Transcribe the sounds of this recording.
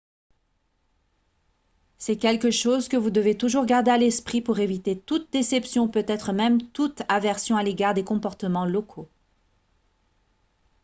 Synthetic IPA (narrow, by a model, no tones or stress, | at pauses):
sɛkʲɛlkəʃozkəvud̪əvet̪uʒuʁɡaʁd̪ealɛspχipuʁevit̪et̪ut̪̚d̪esɛpsjɔ̃pøt̪ɛt̪χəmɛmt̪ut̪avɛʁsjɔ̃aleɡaʁd̪ekɔ̃pɔʁt̪əmɑ̃lɔkʰo